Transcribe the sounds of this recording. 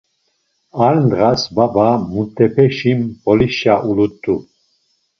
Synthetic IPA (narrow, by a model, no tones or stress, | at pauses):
aɾnd̪ʁasbabamut̪ʰʼːɛpʰɛʃimbɔliʃaʔulut̪ʰʼːu